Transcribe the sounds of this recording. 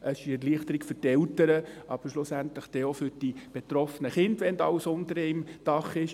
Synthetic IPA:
ʔəsɪ̥iɛɾliəχt̪əɾɪkfʏɾtɛltəɾəʔɑb̥əɾʃlʊsæntləχd̥ɛːofʏɾd̥ib̥et̪ɾɔfənəχɪndʋɛndɑwsʊnd̪əɾɛɪmd̥ɑχɪʃ

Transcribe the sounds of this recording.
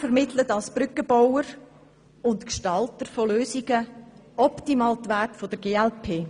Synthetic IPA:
fəɾmɪtʰlətɑlsb̥ɾʏkːəbowəɾ | ʊntkʃtɑltəɾfoløːsiɡ̥ə | ɔptimɑːlt̪ʋærtfod̥əɾɡeːɛlpʰeː

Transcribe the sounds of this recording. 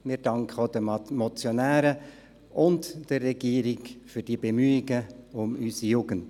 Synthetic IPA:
mɪɾd̥ɑŋkχəod̥əmɔt͡sjonæːɾə | ʔʊntd̥ərːɛɡiːɾɪɡfyɾd̥iəbemyːɪɡəʊmysijuːɡ̥ənt

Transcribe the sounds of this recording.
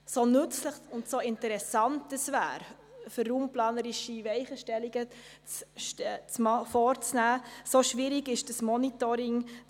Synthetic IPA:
sonʏt͡sləχʊntsoɪntəɾɛsɑntəsvæ̰ːɾ | fərːuːmplɑːnəɾɪʃivɛɪχəʃtɛliɡə | t͡stt͡smɑfɔːɾt͡snæːsoʃʋɪɾɪɡɪʃd̥əsmɔnitoɾɪŋ

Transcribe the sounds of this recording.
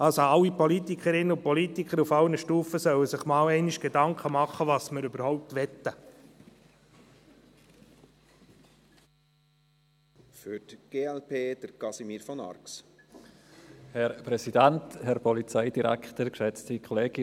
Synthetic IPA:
ɑlsoɑlːipɔlit̪ikʰəɾɪnːəʊpɔlit̪ikχəɾufɑwnəʃtuːfəsœwəsɪχmɑːwɛɪniʃɡ̥edɑŋkʰχəmɑχːəʋɑːsməɾʏbəɾhɔʊp̚t̪ʋɛt̪ːə | fyɾtɡ̥eːɛlpʰeːd̥əɾkɑsimiːɾfɔnɑ̰ɾks | hɛɾpɾɛsidænthɛɾpʰɔlit͡saɪdiɾæ̰ktəɾkʃɛt͡stikʰɔleːɡ̥ɪ

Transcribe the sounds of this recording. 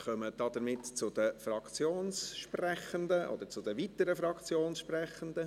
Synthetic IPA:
χœməd̥ɑd̪̥əɾmɪtt͡sʊd̥̪əfrɑkt͡sjoːnsʃprɛχəndəʔɔ̰d̥̪əɾt͡sʊdəvit̪əɾəfɾɑkt͡sjoːnsʃprɛχənd̪ə

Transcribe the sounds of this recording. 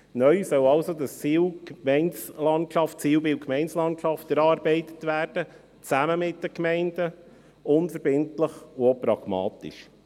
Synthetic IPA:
nœʏsœwɑwsod̪əst͡siːwkmɛɪnslɑntʃɑftt͡siːwbɪwkʰmɛɪnslɑntʃɑft̪əɾɑːɾbɛɪt̪ə̥tʋæːɾd̥ə | t͡sæməmɪt̚d̥əkmɛɪnd̥ə | ʊnfəɾbɪntləχʊopɾɑɡ̥mɑ̰ːt̪ḭʃ

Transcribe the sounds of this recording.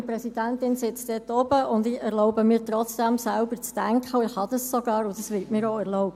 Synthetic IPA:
prɛsid̥æntɪnsɪt͡sd̪̥ɛtɔbəʔʊndɪɛʁlɔʊbəmɪːɾtɾɔt͡sd̥æmsælbəɾt͡stæŋkχəʊɪhɑd̥̪ɑssɔɡɑːɾʊd̥̪ɑsʋɪtmɪːɾoɛʁlɔʊbə

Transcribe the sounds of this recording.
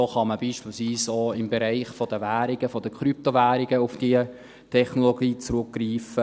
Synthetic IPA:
oχɑməbiːʃpiːlsviːsoːɪmbeɾæɪχfɔd̥̪əvæːɾɪɡ̥əfɔd̪əkχɾyp̚tovæːɾɪɡəʊfd̥iə | tʰɛχnoloɡiːt͡sɾʊkɡriːfə

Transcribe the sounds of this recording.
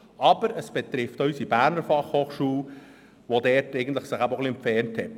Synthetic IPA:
ʔɑbəɾəsb̥ɛt̪ɾɪftœysibæːɾnəɾfɑχhoːχʃuːl | ʋodɛtɛɪɡən̩t̪ləχsɪχæboχliɛmpfɛnthɛt

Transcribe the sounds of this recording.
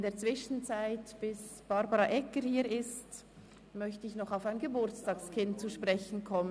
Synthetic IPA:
ndeːɐt͡sv̥ɪʃn̩t͡saɪtb̥ɪsb̥ɑɾbɑʁɑʔɛkəɾhiːɪst | mœçtəɪçnɔχaʊfaɪnɡəbʊɾt͡stɑːkskʰɪnt̚t͡suʃpʁɛçn̩kʰɔmə

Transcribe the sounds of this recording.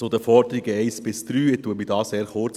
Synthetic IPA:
sod̪əfɔɾd̪əɾiɡəɛɪsb̥ɪsd̪̥ɾyːet̪ːuətmidɑːseːɾχʊɾt͡s

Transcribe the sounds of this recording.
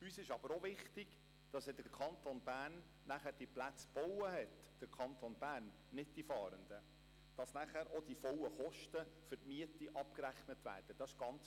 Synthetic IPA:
ysɪʃɑb̥əɾovɪχtɪɡ | d̥ɑsɛd̥əkʰɑntonbæːnː | æχæːɾd̥iplæt͡sb̥ɔwəɦɛt | d̥əɾkʰɑntonbæːɾnːɪd̚d̥ifɑːɾənd̥̪ə | d̥ɑsnæχæːɾʔɔd̥ifɔwəχɔʃtəfɵɾtmiətiʔɑp̚kɾæχnətʋæ̰ːrd̥əd̥ɑsɪ̥ʃɡ̥ɑnt͡s

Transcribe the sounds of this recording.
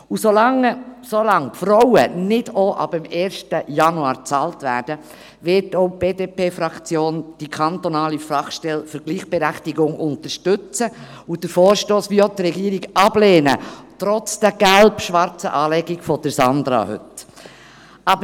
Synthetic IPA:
usolɑŋəsolɑŋfɾɔwə̰nɪd̥oʔɑ̰b̥əmɛːɾʃtəjɑnuɑːɾt͡sɑːltʋæːɾd̥ə | ʋɪtoʊb̥eːdeːpʰeːfɾɑkt͡sjoːnd̥ikʰɑnt̪ɔnɑːlifɑχʃtɛlfəɾɡ̥liːχb̥ɛɾæχtiɡʊŋʊnt̪əʃtɵt͡sə | ʊd̥əɾfɔːɾʃtoːsʋiːot̪rɛɡiːəɾiɡɑbleːnə̰tɾɔt͡sd̥æɡ̥ælpʃʋɑɾt͡sə̰ʔɑːlɛɡiɡfɔd̥əɾsɑnd̪ɾɑ̰hʏ̰t | ɑbə

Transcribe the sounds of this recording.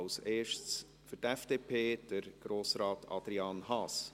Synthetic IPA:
lseːʃt͡s | fɵtɛfd̥eːpʰeːd̥əɾɡ̥ɾoːsɾɑːtʰɑ̰d̥̪ɾiɑːnhɑːs

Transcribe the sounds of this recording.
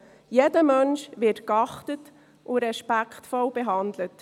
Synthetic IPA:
jedəmœnʃʋɪtkɑχtət | ʔʊɾɛʃpækχtfɔlbɛɦɑndlət

